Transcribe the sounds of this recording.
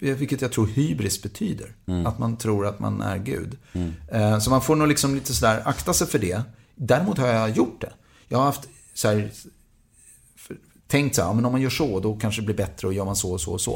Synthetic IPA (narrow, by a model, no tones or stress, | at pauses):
vɪlkːət̪jaɡt̪ʰɾuːɾhyːbɾɪskt̪̚bɛt̪ʰyːd̪ə̰ɾat̪mant̪ʰɾuːɾat̪ma̰næ̰ɾɡʉ̟̰ːd̪ | sɔmanfoːnuːlɪksɔmliːt̪əsɔd̪æːɾakt̪asɛjfœɖɛ | d̪æɾɪmuːt̪haɾjajʊʈ̚ːd̪ɛ̰ | jɑɡhaɾhaft̪ | sɔæːɾ | f | t̪ʰːɛŋkt̪saæːɑ̰ːmɛnɔmanjœːʂɔd̪ɔkʰanʂəd̪ɛbliːbɛt̪ɾəɔjœːɾmansɔsɔ̰sɔ̰